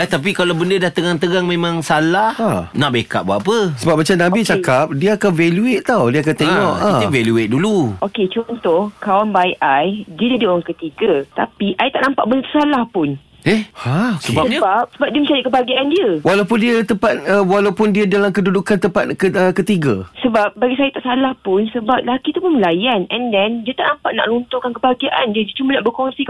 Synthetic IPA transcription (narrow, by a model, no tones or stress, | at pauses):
aht̪ap̬ikalawbəndədaht̪əɡaŋt̪əɡaŋmẽmãŋsalahanaʔbeka̰ʔ̚baapəsəbap̚mat͡ʃamnãbit͡ʃakap̚diəakanvɛluet̪̚t̪awdiəakant̪eŋɔʔãəvɛluet̪̚duluoket͡ʃɔnt̪ɔhkawanbajʔajdiədidioɾaŋkət̪iɡat̪apiʔajt̪aʔnampa̰ʔbənt̪salahpʊn | ɛhhasəbasəbap̚səbap̚diəmət͡ʃadaʔkəbaɡiaʔandiəwalawpʊndiət̪əmpat̪̚əwalawpʊndiədalamkədudukant̪əmpat̪̚kəəkət̪iɡasəbap̚baɡisajat̪aʔsalahpʊnsəbap̚lakit̪upʊnməlajanɛndɛndiət̪aʔnampaʔna̰ʔlunt̪okankəbaɡiaʔa̰ndiədət͡ʃumanaʔbəkoŋsi